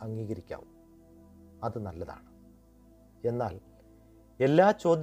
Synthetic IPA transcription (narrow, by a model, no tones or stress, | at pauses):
ɐŋɡiːɣɐɾikʲːa̰ːʋum | ɐðɨnɐlːɐða̰ːɳɨ | e̞nːaːl | e̞lːaːt͡ɕo̞ːd̪j